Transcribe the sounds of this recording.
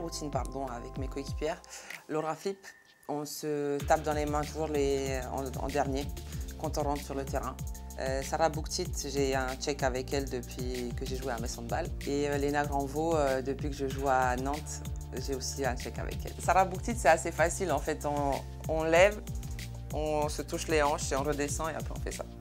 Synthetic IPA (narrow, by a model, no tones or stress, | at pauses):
ʁut̪inpaʁd̪ɔ̃avɛkmekoekʲi̥pjɛʁloʁafip | ɔ̃sət̪ap̚d̪ɑ̃lemɛ̃t̪uʒuʁleɑ̰̃ɑ̰̃d̪ɛʁnjekɑ̃t̪ɔ̃ʁɑ̃t̪syʁlət̪eʁɛ̃ | øsaʁabukt̪it̪ʒeɛ̃t͡ʃɛkavɛkɛld̪əpɥikəʒeʒueɛ̃mɛsɔ̃d̪əbaleølenaɡʁɑ̃voød̪əpɥikəʒəʒuanɑ̃t̪ | ʒeosiɛ̃t͡ʃɛka̰vɛ̰kɛ̰lsaʁabuk̚t̪it̪sɛasefasilɑ̃fɛt̪ɔ̃ː | lɛv | ɔ̃sət̪uʃleɑ̃ʃeɔ̃ʁəd̪esɑ̃eã̰pχɛɔ̃fɛ̰sa̰